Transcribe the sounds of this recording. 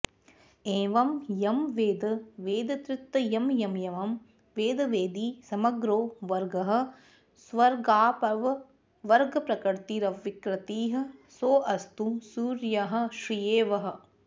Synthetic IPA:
eːʋɐmjɐmʋeːd̪ɐʋeːd̪ɐt̪ɾut̪ːɐjɐmjɐmjɐʋɐm | ʋeːd̪ɐʋeːd̪iːsɐmɐɡɾoːʋɐɾɡɐɦɐ̆ | sʋɐɾɡaːpɐʋɐ | ʋɐɾɡɐpɾɐkɐɾt̪iɾɐʋʋikɾɐt̪iːɦɐ̆soːʔɐst̪usuːɾjɐɦɐ̆ʃɾijeːʋɐɦɐ̆

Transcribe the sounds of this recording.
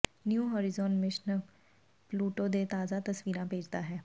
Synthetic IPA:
njuːɦɔːɾɪzɔːnmɪʃn | pluːʈod̪et̪aːzat̪əsʋiːɾãbʱeːd͡ʒd̪aɦɛː

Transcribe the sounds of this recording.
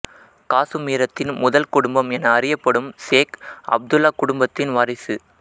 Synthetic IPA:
kaːsɯmiːɾɐt̪ːɪnmʊðɐlkʊɽʊmbɐmɛnɐːrɪjɐpːɐɽɯmseːkʔɐ̰b̚d̪ɯlaːkʊɽʊmbɐt̪ːɪnʋɐɾɐɪsɯ

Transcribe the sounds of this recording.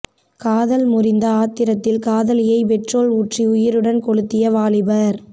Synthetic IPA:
kaːðɐlmʊrɪnd̪ɐaːt̪ːɪɾɐt̪ːɪlkaːðɐlɪjɐɪpɛʈroːlʊʈriʊjɪɾɯɽɐnkɔɽɯt̪ːɪjɐʋaːlɪbɐɾ

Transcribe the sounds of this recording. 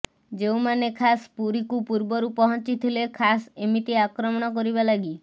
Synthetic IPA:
d͡ʒewmanekʰaspuɾikupuɾbɔɾupɔɦɔ̃nt͡ʃit̪ʰilekʰasemiʈiakɾɔmɔɽ̃ɔk̬ɔɾibalaɡi

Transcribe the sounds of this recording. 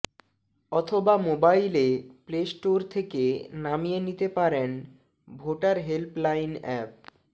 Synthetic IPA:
ɔt̪ʰobamobajleplesʈoɾt̪ʰekenamijenit̪epaɾen | bʱoʈaɾɦelplajnɛp̚

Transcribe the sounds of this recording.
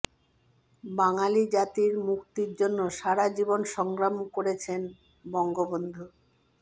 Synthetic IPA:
baŋalid͡ʑat̪iɾmukt̪iɾd͡ʑonːoʃaɾad͡ʑibonʃɔŋɡɾamkoɾet͡ɕʰen | bɔŋɡobond̪ʱu

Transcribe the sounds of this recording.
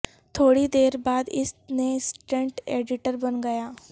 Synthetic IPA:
t̪ʰoːɽid̪eːɾbaːd̪ɪsnesʈẽɳʈeːɖɪʈəɾbɐnɡɐjaː

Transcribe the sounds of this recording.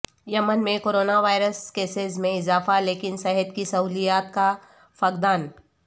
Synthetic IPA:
jɐmənmẽkoːɾoːnaʋaːɪɾəskeːsɪzmẽɪzaːfaleːkɪnsɛɦət̪kisɐɦuːlijaːt̪ka | fɐkd̪aːn

